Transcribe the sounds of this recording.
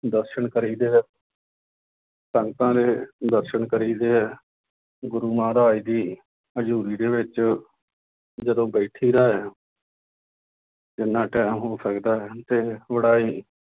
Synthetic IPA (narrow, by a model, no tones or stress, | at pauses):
d̪əɾʃəɳkəɾiːd̪eːɛ | səŋɡt̪ãːd̪eːd̪əɾʃəɳkəɾiːd̪eːɛː | ɡʊɾuːmãːɾaːiːd̪iː | əd͡ʒuːɾiːd̪eːʋɪt͡ʃ | d͡ʒəd̪õːbəːʈʰiːɾaːɦɛː | d͡ʒɪnːãːʈɛːmɦoːsəkd̪aːɦɛːt̪eːʋəɽaːiː